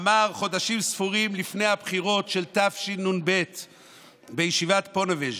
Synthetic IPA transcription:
maʁχo̞daʃimsfuʁimlifne̞jhabχiʁo̞tʃe̞lt̪afʃinunbe̞t̪ | bejeʃivat̪po̞neved͡ʒ

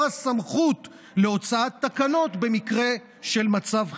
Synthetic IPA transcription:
asamχut̪ | le̞o̞t͡saat̪ːakano̞tbe̞mikʁe̞ | ʃe̞lmat͡sav

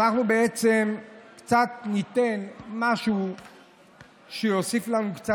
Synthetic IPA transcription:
anaχnubeet͡se̞mkt͡sat̪nit̪e̞nmaʃu | ʃejosiflanukt͡sa

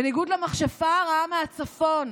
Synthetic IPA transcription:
eniɡud̪lamaχʃafaʁaameat͡safon

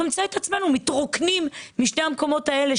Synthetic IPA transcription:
omt͡saet̪at͡sme̞numit̪ʁoknimːiʃne̞hamko̞mo̞t̪ae̞le

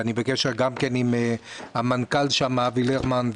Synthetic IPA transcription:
anibekeʃeʁɡamkenimehamankalʃamavileʁmanv

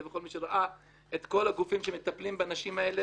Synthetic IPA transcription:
vexo̞lmiʃeʁaʔa | et̪ko̞laɡufimʃemet̪aplimbeanaʃimae̞le

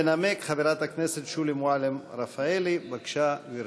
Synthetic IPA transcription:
enamekχaviɾat̪akneset̪ʃulimoalemɾafaelibakʃaviɾ

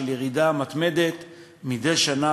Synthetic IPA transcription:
eljeʁid̪amat̪me̞d̪e̞t̪ | mid̪ejʃana

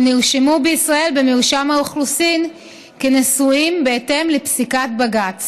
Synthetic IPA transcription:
niʁʃemubeisʁae̞lbemeuʃamaoχlusin | kenesuimbe̞ete̞mlepsikat̚baɡat͡s

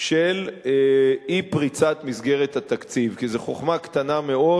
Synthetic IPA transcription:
ʃel | ipʁit͡sat̪misɡeʁet̪hat̪akt͡sivkizeχo̞χmakt̪anameo

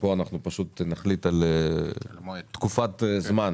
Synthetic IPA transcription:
boanaχnupaʃut̪naχlit̪al | t̪kufat̪zman

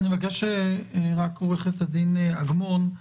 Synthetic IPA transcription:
nivakeʃeʁakoʁeχet̪ad̪inaɡmon

